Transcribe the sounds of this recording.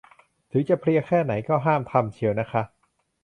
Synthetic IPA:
t̪ʰɯː˩˦t͡ɕa˨˩pʰli˧ɐkʰɛː˥˩na˩˦jkɔː˥˩ɦaː˥˩mt̪ʰa˧mt͡ɕʰi˧əwna˦˥kʰa˦˥ʔ

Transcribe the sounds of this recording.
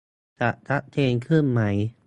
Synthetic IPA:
t͡ɕa˨˩ʔt̪ʰa˦˥ʔt̪ʰeː˧ŋkʰɯ˥˩nma˦˥j

